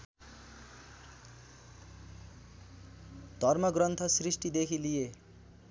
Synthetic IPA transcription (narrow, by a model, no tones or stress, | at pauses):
d̪̥ʱʌrmʌɡrʌnt̪ʰʌsrisʈid̪ekʰilije